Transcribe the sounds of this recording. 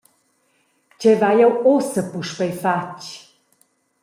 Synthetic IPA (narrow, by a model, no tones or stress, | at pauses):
cɛvajɛwosəpuʃpɛjfat͡ʃ